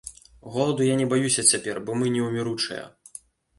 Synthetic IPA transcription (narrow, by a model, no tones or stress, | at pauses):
ɣɔlˠɐd̪ujanʲɛbajusʲɐt͡sʲapʲɛrbɔmɨnʲɛwmʲɛɾut͡ʂɨ̰jɐ̰